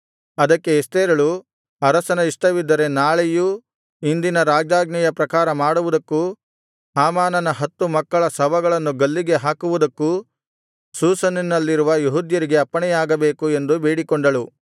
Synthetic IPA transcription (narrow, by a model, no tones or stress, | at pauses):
ɐd̪ɐkːeːst̪eːɾɐɭu | ɐɾɐsɐnɐiʂʈɐʋid̪ːɐɾe̞naːɭeju | ind̪inɐɾaːd͡ʒaːɡnɐjɐpɾɐkaːɾɐmaːɽuʋud̪ɐkːu | saːmaːnɐnɐɦɐt̪ːumɐkːɐɭɐsɐʋɐɡɐɭɐnːuɡɐlːiɡe̞ɦaːkuʋud̪ɐkːu | suːsɐninːɐlːiɾuʋɐjuɦud̪jɐɾiɡe̞ɐpːɐɳɛjaːɡɐbe̞ːkue̞nd̪ubeːɽikɔɳɖɐɭu